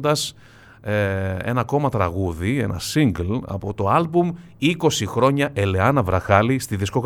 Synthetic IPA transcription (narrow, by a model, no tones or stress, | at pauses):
d̪ɐs | ee̞̰nɐko̞mɐt̪ɾɐɣuðie̞̰nɐ̰siŋɡlɐ̰po̞t̪o̞ɐlbum | iko̞sixɾo̞ɲɐʔe̞le̞ɐnɐvɾɐxɐlist̪iðisko̞k